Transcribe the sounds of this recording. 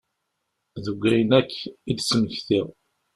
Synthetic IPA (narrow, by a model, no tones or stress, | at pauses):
ðuɡʷːæjənækːid̪sməçθiʁ